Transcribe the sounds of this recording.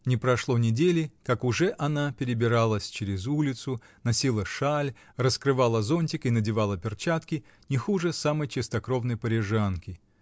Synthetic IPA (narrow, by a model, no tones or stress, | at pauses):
nʲɪpɾɐʂlˠonʲɪdʲelʲɪkakʊʐɛʔɐnapʲɪɾʲɪbʲɪɾalˠəsʲt͡ɕeɾʲɪzulʲɪt̪sʊ | nɐsʲilˠəʂalʲ | rəskɾɨvalˠəzonʲtʲɪkɨnədʲɪvalˠəpʲɪrt͡ɕat̪kʲɪ | nʲɪxuʐɨsaməjt͡ɕɪst̪ɐkɾo̞vnəjpəɾʲɪʐankʲɪ